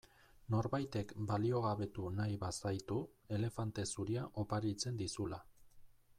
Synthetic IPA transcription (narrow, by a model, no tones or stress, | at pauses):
no̞ɾβajt̪e̞kbalio̞ɣaβe̞t̪unajβasajt̪u | e̞le̞fant̪e̞suɾiaʔo̞paɾit͡se̞nd̪isula